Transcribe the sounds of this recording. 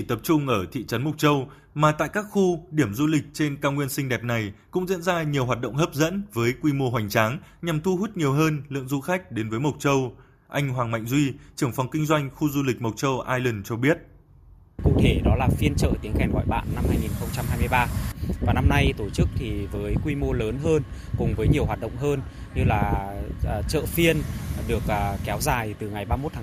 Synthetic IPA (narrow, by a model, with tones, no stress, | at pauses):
i˧˩t̪ə˨˩p̚t͡ɕʊ˧ŋ͡mʔəː˧˩t̪ʰḭ˧˨t͡ɕə˨˦nmo˨˩t̚t͡ɕə˧w | maː˨˩t̪a̰ː˧˨jkaː˦˥k̚xu˧ɗi˧˩əmzu˧lï˨˩k̟̚t͡ɕe˧nkaː˧ŋwi˧ənsï˧ŋ̟ɗɛ˨˩p̚na˨˩jkʊ̰˧˥ŋ͡mzḭ˧˥nzaː˧ɲi˨˩əwɦwaː˨˩t̚ɗə̰˧˨wŋ͡mɦəː˦˥p̚zə̰˧˥nvəː˨˦jkwi˧mo˧ɦwa˨˩jŋ̟t͡ɕaː˨˦ŋɲa˨˩mt̪ʰu˧ɦu˦˥t̚ɲi˨˩əwɦəː˧nlɨ̰˧˨əŋzu˧xa˦˥jk̟̚ɗe˨˦nvəː˨˦jmə˨˩wt̚t͡ɕə˧w | ʔa˧jŋ̟ɦwaː˨˩ŋma̰˧˨ŋ̟zwi˧t͡ɕɨ˧˩əŋfa˨˩wŋ͡mkï˧ŋ̟zwa˧jŋ̟xu˧zu˧lï˨˩k̟̚mə˨˩k͡p̚t͡ɕə˧wʔaː˧jlə˨˩nt͡ɕɔ˧ɓi˦˥ət̚ | kʊ̰˧˥t̪ʰe˧˩ɗɔ˨˦laː˨˩fi˧ənt͡ɕə̰ː˧˨t̪i˨˦əŋɛ˨˩nɣɔ̰˧˨jɓa̰ː˧˨nːa˧mhaː˧jŋi˨˩nxə˧wŋ͡mt͡ɕa˧mhaː˧jmɨ˧jɓaː˧vaː˨˩na˧mna˧jt̪o˧˩t͡ɕɨ˦˥k̚t̪ʰi˨˩vəː˨˦jkwi˧mo˧ləː˨˦nɦəː˧n | kʊ˨˩ŋ͡mvəː˨˦jɲi˨˩əwaː˨˩t̚ɗə̰˧˨ŋ͡mɦəː˧n | ɲɨ˧laː˨˩˨ | t͡ɕə̰ː˧˨fi˧ənɗɨ˨˩ək̚ʔːkːɛ˨˦wzaː˨˩jt̪ɨ˨˩ŋa˨˩jɓaː˧mo˦˥t̪ʰaː˨˦